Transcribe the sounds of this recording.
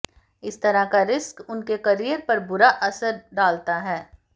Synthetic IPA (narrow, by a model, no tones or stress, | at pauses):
ɪst̪ɐɾaɦkaɾɪskʊnkekɐɾijəɾpɐɾbʊɾaʔɐsəɾɖaːlt̪aɦɛː